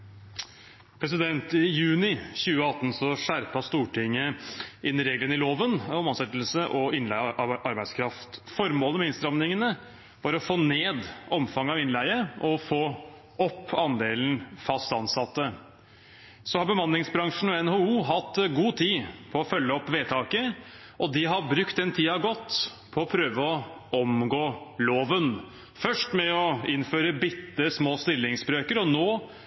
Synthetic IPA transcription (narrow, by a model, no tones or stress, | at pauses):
pʰɾɛs̬ɪd̪ɛnt̪ɪjʉːnɪçʉːəɑt̪ːn̩sɔʂæɾpɑst̪uːʈʰɪŋːəɪnːɪɾeːɡlənɪloːʋənɔmɑnsɛt̪ːl̩səʔɔɪnlæɪʔɑɾbæɪskʰɾɑft̪fɔɾmoːləmɛɪnst̪ɾɑmnɪŋənə | ʋɑɾɔfoːneːd̪ɔmfɑŋːəɑʋɪnlæɪəʔɔfoː | ɔpʰːɑnd̪eːln̩fɑst̪ɑnsɑt̪ːə | sɔhɑɾbəmɑnlɪŋsbɾɑŋʂɳ̩ɔɛnhoːuːɦɑt̪ːɡuːt̪ʰiːpʰɔɔfœlːəɔpːʋeːt̪ʰɑːkə | ʔɔd̪ɪɦɑbɾʉkt̪ɛnt̪ʰiːɑʋɡɔt̪ː | pʰɔɔpʰɾøːʋəɔ | ɔmɡoːloːʋən | fœʂʈmɛɔɪnføːɾəbɪt̪ːəsmoːst̪ɪlːɪŋsbɾøːkəɾɔnoː